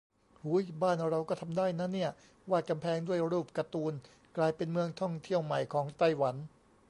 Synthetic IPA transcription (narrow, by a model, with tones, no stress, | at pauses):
huː˨˦˥jbaː˥˩nɾa˧wkɔː˥˩t̪ʰa˧mdaː˥˩jna˦˥ni˥˩ɐ | waː˥˩ka˧mpʰɛː˨˦ŋdu˥˩əjɾuː˥˩p̚ka˧t̪uː˧n | klaː˧jpe˧nmɯ˧əŋt̪ʰɔ˥˩ŋt̪ʰi˥˩əwma˨˩jkʰɔː˩˦ŋt̪a˥˩jwa˩˦n